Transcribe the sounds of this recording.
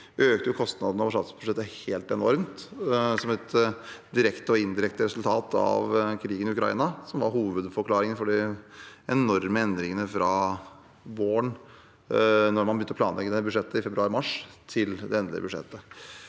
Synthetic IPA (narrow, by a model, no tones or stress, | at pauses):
ʔøːkt̪əjʊkʰɔst̪nɑd̪ənəɔʋʂɑ̰t̪sb̥ʉ̥ʂɛt̪ːəheːlt̪ɛːnɔɾmnt̪sɔmɛt̪d̪ɪɾɛkt̪əɔɪnd̪ɪɾɛkt̪əɾɛsʉlt̪ʰɑːt̪ʰɑ̰ʋkʰɾiːɡənɪʉkɾɑḭːnɑsɔmʋɑɾɦuːʋəd̪fɔɾkʰlɑːɾɪŋənfɔɖɪʔɛnɔɾməɛnd̪ɾɪŋənəfɾɑ | ʋoːəɳ | nɔɾmɑnbəjʏnəɔplɑ̰ːnlɛɡːəd̪ɛbʉʂɛt̪ːəɪfɛbɾʉɑːɾɪmɑʂt̪ʰɪld̪ɛɛnd̪lɪ̰əbʉʂɛ̰t̪ːə